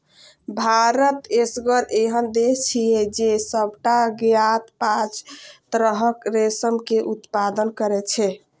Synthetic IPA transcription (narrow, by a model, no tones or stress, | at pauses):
bʱaɾət̪esɡəɾeɦənd̪est͡ʃʰijɛd͡ʒesəb̚ʱʈaɡjat̪pãt͡ʃt̪ɾəɦəkɾesəmkeʔut̪pad̪ənkəɾɛt͡ʃʰɛ